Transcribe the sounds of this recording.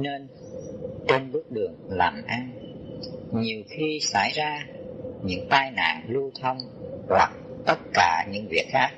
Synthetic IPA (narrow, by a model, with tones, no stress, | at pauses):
ne˧n | t͡ɕe˧nɓɨ˦˥ək̚ɗɨ˨˩əŋla̰ː˨˩mʔa˧n | ɲi˨˩əwxi˧sa̰ː˧˩jzaː˧ɲɨ̰˧˥ŋt̪aː˧jna̰ː˧˨nlu˧t̪ʰə˧wŋ͡m | la̰˨˩k̚t̪ə˦˥t̚kaː˧˩ɲɨ̰˧˥ŋvḭ˨˩ək̚xaː˦˥k̚